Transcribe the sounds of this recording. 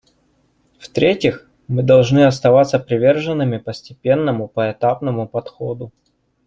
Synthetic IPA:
ft̪ɾʲetʲɪx | mɨd̪ɐlˠʐnɨɐst̪ɐvat̪səpɾʲɪvʲe̞rʐɨnːɨmʲɪpəsʲtʲɪpʲe̞nːəmʊpəɛt̪apnəmʊpɐt̪xod̪ʊ

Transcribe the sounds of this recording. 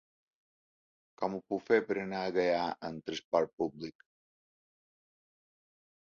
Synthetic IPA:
kɔmupufepəɾənaəɣəjaʔənt̪ɾəspɔɾpublik

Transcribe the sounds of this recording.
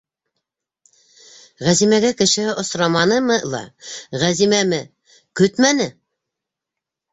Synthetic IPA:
ʁæzimæɡækɘ̆ʃɘʔŏsɾɑmɑnɤmɤlˠɑ̰ʁæzimæmɘ | kɵt̪mænɘ

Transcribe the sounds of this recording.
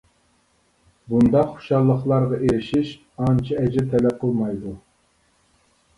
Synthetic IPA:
bund̪ɑχo̥ʃɑlˠːəχlˠɑɾʁɑʔeɾɪʃiʃ | ɑnt͡ʃʰiɛd͡ʒɪt̪ʰɛlɛp̚qʰəlˠmɑjd̪u

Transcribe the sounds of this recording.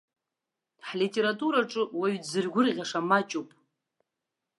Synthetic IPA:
ħlitʼeɾatʼuɾaʈ͡ʂʼɨwaɥdzɨrɡʷʊrʁʲaʂamat͡ʃʼupʼ

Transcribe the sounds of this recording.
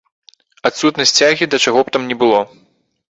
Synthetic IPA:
at̪sut̪nɐsʲt͡sʲaɣʲid̪ɐt͡ʂaɣɔp̚t̪amnʲɛbɨlˠɔ

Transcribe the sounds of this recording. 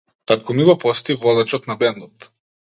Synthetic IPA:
t̪at̪kɔmibɔpɔst̪ivɔlˠat͡ʃɔt̪nabɛnɔt̪

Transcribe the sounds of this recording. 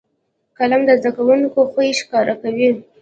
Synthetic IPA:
kalamd̪əzd̪akawunkoxəjiʃkɑɾakawi

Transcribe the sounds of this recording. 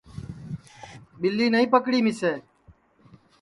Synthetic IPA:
ɓɪlːiːnəĩːpəkɽiːmɪseː

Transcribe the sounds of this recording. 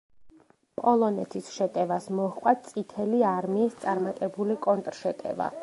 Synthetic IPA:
pʼɔlˠɔnɛt̪ʰisʃɛt̪ʼɛvasmɔhqʼwat̪̚t̪sʼit̪ʰɛliaɾmiːst̪sʼaɾmat̪ʼɛbulikʼɔnt̪ʼɾʃɛt̪ʼɛ̰va̰

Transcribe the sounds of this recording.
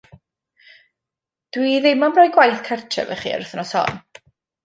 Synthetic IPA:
d̥wiðɛmamrɔjɡwajθkʰartʰɛ̰vɛ̰χḭːa̰ɾʊθnɔsɔ̰n

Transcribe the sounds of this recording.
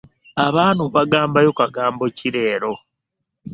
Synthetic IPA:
aβaːnuβaɡaːmbajokaɡaːmbo̞ciɾe̞ːɾo̞

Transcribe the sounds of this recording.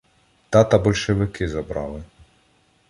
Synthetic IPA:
t̪ɑt̪ɐbɔlʲʃeʋɪkɪzɐbɾɑ̰lˠɪ

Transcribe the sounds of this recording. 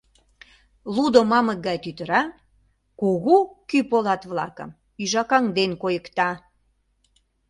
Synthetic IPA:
lud̪omɑməɡɑjt̪yt̪ə̆ɾɑ | kuɣukypolɑt̪βlɑ̰kə̰̆m | yʒɑkɑŋd̪enkojə̆kt̪ɑ

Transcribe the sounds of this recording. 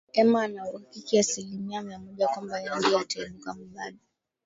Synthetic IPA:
ɛmaːnawakikiasilimiamiamɔʄakwambajaŋɡiataɛmukam̩ɗaɗa

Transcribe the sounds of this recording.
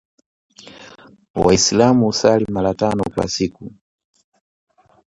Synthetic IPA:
waislamuusalimaɾatanɔkwa̰siku

